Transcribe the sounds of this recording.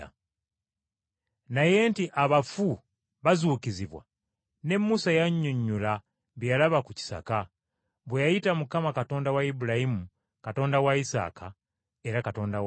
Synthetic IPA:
naje̞ntiʔaβafu | βazuːkiziβwa̰ | ne̞mːusajaɲːuɲːula | βijalaβakuci̥sa̰ka | βwejajitamukamakato̞ːndawaibulahimu | kato̞ːndawaisa̰ːkʰa̰ | e̞ɾakato̞ːndaw

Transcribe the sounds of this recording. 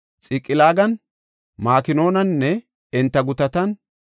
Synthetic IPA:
t͡sʼɪkʼːɪlaːɡɐn | maːkɪno̞ːnɐnːɛ | ɪnt̪ːɐɡʊt̪ɐt̪ɐn

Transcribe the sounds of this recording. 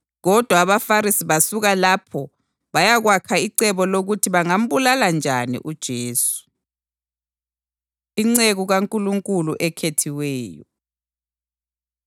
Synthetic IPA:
ɣɔd̥ʱwaːβafaɾisiβasuɣalapʰɔ | βajaɣwakʰaiǀɛβɔloɣutʰiβaŋam̩βulaland͡ʒʱanḭʔud̥ʒ̥ʱeːsu̥ | iŋ͡ǀeɣuɣaŋkʼuluŋkʼuluʔɛkʰetʰiwɛːjɔ̰

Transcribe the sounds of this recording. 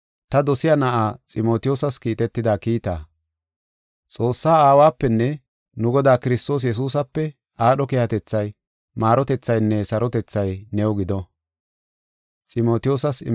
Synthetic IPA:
t̪ɐd̪ɔsɪjanɐʔaːt͡sʼɪmo̞ːt̪ɪjoːsɐskiːt̪ɛt̪ːɪd̪aːkiːt̪a̰ː | t͡sʼo̞ːsːaːaːwaːpːɛnːɛ | nʊɡɔd̪aːkɪɾɪst̪o̞ːs̬jɛs̬uːs̬ɐpːɛ | ʔaːɗɔkehɐt̪ɛt͡sːɐj | maːɾɔt̪ɛt͡sːɐjnːɛsɐɾɔt̪ɛt͡sːɐjnɛɔɡɪd̪ɔ | t͡sʼɪmo̞ːt̪ɪjoːsɐsɪ

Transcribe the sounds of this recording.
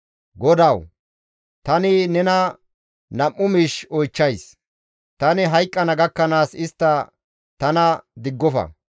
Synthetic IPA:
ɡɔd̪ɐw | t̪ɐnɪnɛnɐ | nɐmːʊmiːʃɔjt͡ʃːɐjs | t̪ɐnɪɦɐjkʼːɐnɐɡɐkːɐnaːsɪst̪ːɐ | t̪ɐnɐd̪ɪɡːɔfɐ̰

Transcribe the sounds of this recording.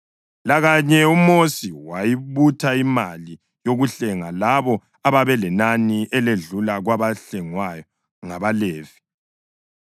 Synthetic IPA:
laɣaɲɛumosiwajiβutʰaimali | joɣuɬɛŋalaβɔ | aβaβɛlɛnaniɛleɮulaɣwaβaɬɛŋwajɔ | ŋaβaleːv̥i

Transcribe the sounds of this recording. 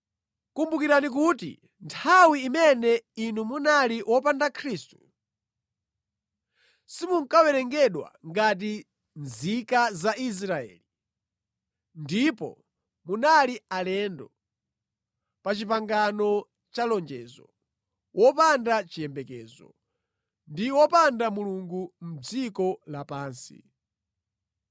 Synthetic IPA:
kumbukiɾanik̬utḭ | ntʰawiːmɛnɛinumunaliwʔɔpandakʰɾiːstu̥ | simuŋkawɛɾɛŋɡɛɗwa̰ŋɡat̬i | nzikazaʔis̬ɾaɛ̰ːli | ndipɔ̰ | munalialɛndɔ | pat͡ʃip̬aŋɡanɔ | t͡ʃalɔnd͡ʒɛːzɔ̰ | wʔɔpandat͡ʃijɛmbɛkɛzɔ̰ | ndiwɔpandamuluŋɡum̩d͡zikɔlapaːnsḭ

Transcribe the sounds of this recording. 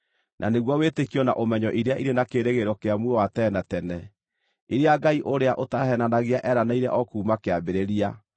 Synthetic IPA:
nʔa̰neɣwawetekijɔna̰ʔomɛɲɔʔiɾeaʔiɾenakeːɾeɣeɾɔkeamwɔwatɛnatɛnɛ | iɾeaɡaiʔoɾeaʔotahɛnanaɣeaʔɛɾanaiɾɛ̰ʔɔkuːmakeabeɾeɾia

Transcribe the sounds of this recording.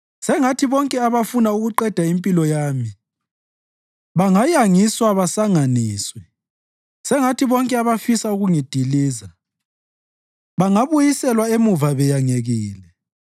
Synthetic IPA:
sɛŋatʰiβɔŋkʼɛaβafunauɣuǃɛd̥ʱaimpʼilɔjaːmi | βaŋajaŋiswaβasaŋaniːswɛ | sɛŋatʰiβɔŋkʼɛaβafisauɣuŋid̥ʱiliːza | βaŋaβujisɛlwaemuvaβɛjaŋeɣiːlɛ

